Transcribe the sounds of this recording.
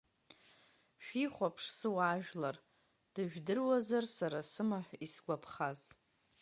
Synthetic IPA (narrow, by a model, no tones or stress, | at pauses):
ʃᶣiχʷapʰʂsɨwaʒᶣlar | d̥ɨʒᶣdɨrwazarsaɾasɨmaħʷᶣisɡʷapʰχaz